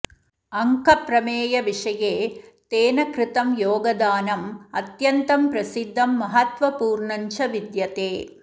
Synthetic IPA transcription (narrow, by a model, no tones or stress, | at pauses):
ɐŋkɐpɾɐmeːjɐʋɪʂɐjeːt̪eːnɐkɾɪt̪ɐmjoːɡɐd̪aːnɐmɐt̪jɐnt̪ɐmpɾɐsid̪ʱːɐmːɐɦɐt̪ʋɐpuːɾɳɐɲt͡ʃɐʋid̪jɐt̪eː